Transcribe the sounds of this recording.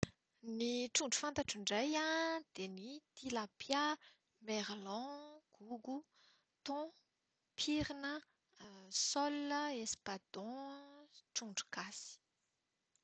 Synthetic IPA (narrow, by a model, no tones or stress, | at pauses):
niʈ͡ʂuɳɖ͡ʐu̥fant̪aʈ͡ʂiɳɖ͡ʐajad̪̥enit̪ilapja | meɾlɔ̃ɡ̥uɡu | t̪ɔ̃ | pʰiɾinə | sɔləespad̪̥ɔ̃ | ʈ͡ʂuɳɖ͡ʐu̥kasi̥